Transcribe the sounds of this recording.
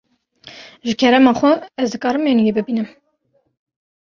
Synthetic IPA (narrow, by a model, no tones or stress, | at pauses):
ʒɨkʰɛɾɛmɑːxʷɛɛzd̪ɨkɑːɾɨmjenjebɨbinɨm